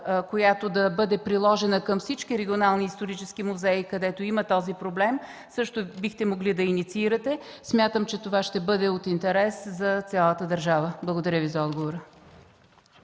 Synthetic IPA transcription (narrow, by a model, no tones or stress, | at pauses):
kojat̪od̪ɐbɤd̪ɛpɾilˠɔʒɛnəkɐmfsit͡ʃkiɾɛɡʲionalˠniːst̪oɾit͡ʃɛskimuzɛikɐd̪ɛt̪oimət̪ɔzipɾoblɛm | sɤʃt̪obixt̪ɛmoɡlid̪ɐinit̪siiɾɐt̪ɛsmʲjat̪əmt͡ʃɛt̪ovaʃt̪ɛbɤd̪ɛot̪int̪ɛɾɛszɐt̪sʲjalˠət̪əd̪əɾʒavəblˠɐɡod̪ɐɾʲəvizɐɔd̪ɡovoɾə